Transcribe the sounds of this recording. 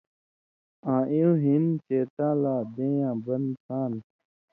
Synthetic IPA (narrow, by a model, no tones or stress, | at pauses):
ãːʔiũɦint͡ɕeːt̪ãːlaːd̪ẽːjãːbɐnsʰãːn